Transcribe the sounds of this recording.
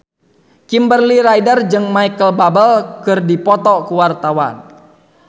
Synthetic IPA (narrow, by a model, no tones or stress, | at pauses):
kimbərliɾajdərd͡ʒɨŋmaikəlbabəlkɨrdipɔt̪ɔkuwart̪awan